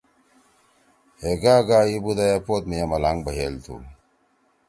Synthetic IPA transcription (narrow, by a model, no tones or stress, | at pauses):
heɡaːɡaːibud̪ajapoːt̪mijamɐlaŋɡbɐɦelt̪ʰṵ